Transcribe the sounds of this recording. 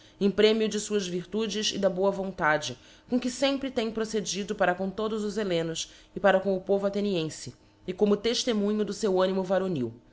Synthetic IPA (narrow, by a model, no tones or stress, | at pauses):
ẽpɾẽmiʊd͡ʒɪsuɐzviɾt̪ud͡ʒɪzɪ̰d̪ɐboɐvõnt̪ad͡ʒɪ | kõkɪsẽmpɾɪt̪ẽj̃pɾosed͡ʒid̪ʊpaɾɐkõw̃t̪od̪ʊzʊzelẽnʊs | ɪpaɾɐkõw̃ʊpovʊat̪eniẽsɪ | ɪkõmʊt̪eʃt̪emũɲʊd̪ʊsewɐ̃nimʊvaɾoniw